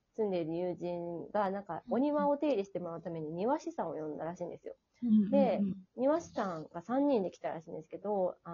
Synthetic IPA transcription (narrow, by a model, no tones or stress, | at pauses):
sɨ̃nd̪e̞iɾɯ̟jɯːʑĩŋɡanãŋkao̞ɲ̟iβao̞t̪e̞ːɾʲiɕi̥t̪e̞mo̞ɾaɯ̟t̪ame̞ɲ̟iɲ̟iβaɕisãɰ̃o̞̰jõ̞nd̪aɾaɕĩːnd̪e̞sɨjo̰ | d̪e̞ɲ̟iβaɕi̥sãŋɡasãɲ̟ːĩnd̪e̞kʲi̥t̪aɾa̰ɕĩːnd̪e̞sɨ̥ke̞d̪o̞a